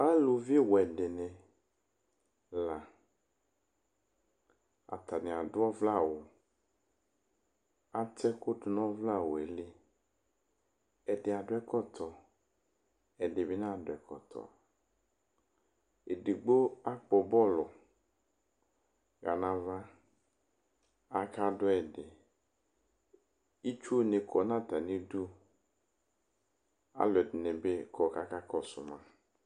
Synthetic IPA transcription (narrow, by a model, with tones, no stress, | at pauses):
a˦lo˨vi˦wɛ˨ɖe˨ne˨ | la˨ | a̰˨t̪a˨ne˨a˨dʊ˦ɔ˦vla˦˨wo˨ | a˦tɛ˦ko˦dʊ˨nɔ̃˦vla˦˨wo˨e˨li˦ | ɛ˨de˨a˨dʊ˨˦ɛ˦kɔ˦t̪ʰɔ˨ | ɛ˨de˨be˦nã˦˨dʊ˨ɛ˨kɔ̰˨t̪ʰɔ̰˨ | e˨di˨ɡ͡bo˦a˦k͡pɔ˨bɔ˦lʊ˨ | ɣa˨nã˨va˦ | a˨kʰa˦dʊ˦ɛ˨dɪ˨ | i˦t͡ʃu˦o˦ne˨kʰɔ˨˦nã˦ta˨nĩ˦du˦ | a̰˦lɛ˨dɪ˨nɛ̃˨be˦kʰɔ˨ka˦ka˦kɔ˦sʊ̰˨mã˦